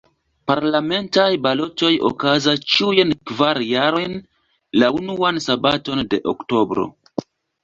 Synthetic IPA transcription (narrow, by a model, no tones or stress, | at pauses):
paɾlame̞ntajbalo̞to̞jo̰kazast͡ʃujenkvaɾjaɾo̞jn | launuansabato̞nde̞ʔo̰kto̞bɾo̞̰